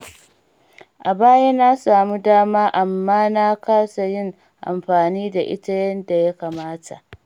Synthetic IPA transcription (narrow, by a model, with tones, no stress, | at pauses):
ʔa˨baː˦ja˦na˦saː˨mu˦daː˦maː˦ʔa˨mːaː˦na˦kaː˦sa˨jɪ˦ŋ | ʔa̰˨mɸaː˨niː˦da˨ʔɪ̰˦ta˦jɐ˦nda˨ja˦kaː˨maː˦tʰa̰˨ʔ